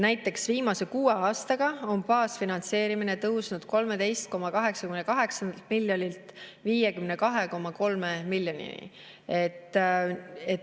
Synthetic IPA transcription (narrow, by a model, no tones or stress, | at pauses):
næjt̪ːˑe̞ksviːmɑse̞kuːeɑːst̪ɑɡ̥ɑo̞npɑːsfinɑnt̪se̞ːɾimine̞t̪ɤwsnud̪̥ko̞lme̞d̪e̞jst̪̚ko̞mːɑkɑɦe̞ksɑkymnekɑɦe̞ksɑnd̪ɑlt̪̚miljonʲilt̪viːjekymne̞kɑɦe̞ko̞mːɑko̞lmemilʲjonʲḭnḭ | et̪ːˑ | e